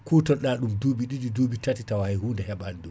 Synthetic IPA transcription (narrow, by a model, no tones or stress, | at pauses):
kuːtɔnɗaɗumduːbiɗiɗiduːbitatitawahajhuːndɛhɛɓandum